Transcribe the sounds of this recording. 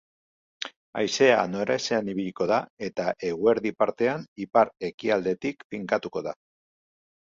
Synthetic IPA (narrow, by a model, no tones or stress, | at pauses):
a̰jse̞a̰no̞ɾe̞se̞aniβiʎiko̞ðae̞t̪aʔe̞ɣue̞ɾðipaɾt̪e̞anipaɾe̞kiald̪e̞t̪ikfiŋkat̪uko̞ða̰